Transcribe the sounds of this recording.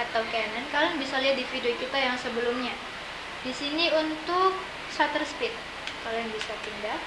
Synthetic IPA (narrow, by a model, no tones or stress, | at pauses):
at̪awkajanankalojŋbisaliɦat̪̚difidiokit̪ajaŋsəbəlʊmɲa | disiniunt̪ʊk̚ | sat̪ərspɪt̪̚ | kalojaŋbisakinda